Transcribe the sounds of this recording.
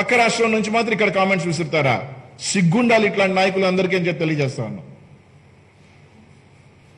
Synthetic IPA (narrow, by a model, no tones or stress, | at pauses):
ɐkːɐɾaːʂʈɾɐmnuɲt͡ʃimaːt̪ɾɐmikːɐɽɐkaːmeɳʈsʋisɐɾut̪aːɾa̰ːsiɡːuɳɖaːliʈlaːɳʈinaːjɐkuluɐnd̪ɐɾik̬iɐɲd͡ʒep̚t̪elijɐd͡ʒɛːst̪a̰ːʋunːɐ̰